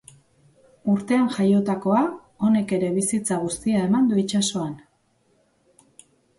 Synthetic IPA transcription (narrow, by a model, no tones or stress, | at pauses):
uɾt̪e̞anʝajo̞t̪ako̞a | o̞ne̞ke̞ɾe̞β̞isit͡saɣ̞ust̪iae̞mand̪uit͡ʃaso̞an